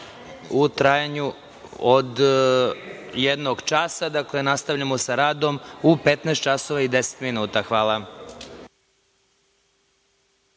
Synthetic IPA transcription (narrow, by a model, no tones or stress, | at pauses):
ut̪ɾajaɲu | od̪ | jed̪noɡt͡ʃasad̪akle̞nast̪avʎamo̞saɾaːd̪o̞mupet̪nɛːst̪t͡ʃasoʋaid̪ese̥t̪minuːt̪axʋaːlˠa